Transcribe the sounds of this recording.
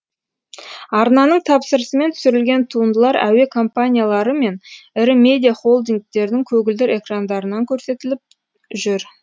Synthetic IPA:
ɑɾnɑnəɴt̪ʰɑpsəɾəsəme̞nt̪ʰʏ̥sʏɾɪlɡʲe̞nt̪ʰuənd̪əlˠɑɾæ̰we̞kʰo̞mpanʲijalˠɑɾəme̞nɪɾɪme̞d̪ʲijaχo̞lˠd̪iŋk̚t̪e̞ɾd̪ɪŋkʲʰɵɡʲɪld̪ɪɾe̞krand̪ɑɾənɑŋkʲʰɵɾse̞t̪ɪlɪp̚ | ʒʏɾ

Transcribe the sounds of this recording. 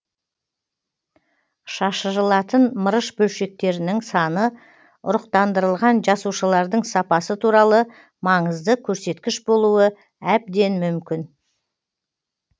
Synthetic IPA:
ʃɑʃəɾəlˠɑt̪ənməɾəʃbɵlʃe̞k̚t̪e̞ɾɪnɪŋsɑnə | ʊ̰ɾəqt̪ɑnd̪əɾəlˠʁɑnʒɑsuʃəlˠɑɾd̪əɴsɑpɑsət̪ʰuɾɑlˠə | mɑɴəzd̪əkʲʰɵɾse̞t̪kʲɪʃbo̞lˠuə | æb̚d̪e̞nmʏmkʲɪn

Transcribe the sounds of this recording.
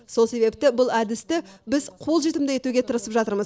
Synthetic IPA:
so̞lˠse̞be̞p̚t̪ɪbʊlˠæd̪ɪst̪ɪbɪzqʰo̞lˠʒe̞t̪ɪmd̪ɪje̞t̪uɡʲe̞t̪ʰəɾəsəpʒɑt̪əɾməz

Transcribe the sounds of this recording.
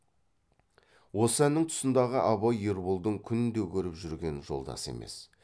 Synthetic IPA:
wo̞səænːɪŋt̪ʰʊ̥sənd̪ɑʁəʔɑβɑjeɾbʊlˠd̪əŋkʲʰʏnɪnd̪e̞kʲʰɵɾɪpʒʏɾɡʲe̞nʒo̞̰lˠd̪ɑ̰se̞̰me̞̰s

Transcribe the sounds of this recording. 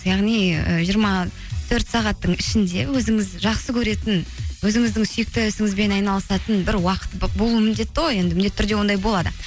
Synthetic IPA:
jɑʁnijə̰ʒijəɾmɑ | t̪ʰɵɾt̪sɑʁɑt̪ːəɴɪʃɪnd̪e̞wɵzɪŋɪzʒɑqsəkʲʰɵɾe̞t̪ɪnwɵzɪŋɪzd̪ɪŋsje̞k̚t̪esɪŋɪzbe̞nɑjnɑlˠəsɑt̪ənbɪɾwɑqə̥t̪bo̞lˠuəmɪnd̪e̞t̪ːəʁoje̞nd̪ɪmɪnet̪ʰːʏɾd̪e̞wo̞nd̪ɑjbo̞lˠɑd̪ə

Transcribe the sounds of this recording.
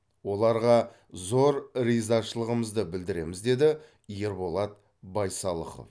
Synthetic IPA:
wo̞lˠɑɾʁɑ | zo̞ɾɾijzɑʃəlˠəʁəməzd̪əbɪld̪ɪɾe̞̰mɪzd̪e̞d̪ɪ | je̞ɾbo̞lˠɑt̪̚ | bɑjsɑlˠə̰qə̰f

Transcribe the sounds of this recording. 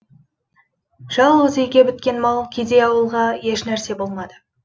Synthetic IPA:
ʒ̥ɑlˠʁəzejɡʲe̞bʏt̪kʲe̞nmɑlˠkʲʰejd̪e̞jɑwəlˠʁɑje̞ʃnæɾse̞bo̞lˠmɑd̪ə

